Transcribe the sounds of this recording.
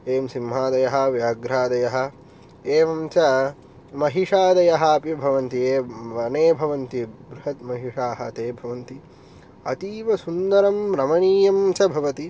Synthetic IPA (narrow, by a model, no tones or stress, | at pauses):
eːmsimɦaːd̪ɐjɐɦɐ̆ʋjaːɡɾaːd̪ɐjɐɦɐ̆ | eːʋɐmt͡ʃɐ | mɐɦiʂaːd̪ɐjɐɦɐɐpibʱɐʋɐnt̪ieːʋɐneːbʱɐʋɐnt̪ibɾuɦɐt̪̚mɐɦiʂaːɦɐt̪eːbʱɐʋɐnt̪i | ɐt̪iːʋɐsund̪ɐɾɐmɾɐmɐniːjɐmt͡ʃɐbʱɐʋɐt̪i